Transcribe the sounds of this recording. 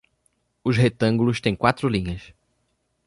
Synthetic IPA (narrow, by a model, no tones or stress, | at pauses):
ʊzɦet̪ɐ̃ŋɡulʊst̪ẽj̃kwat̪ɾʊlĩɲɐs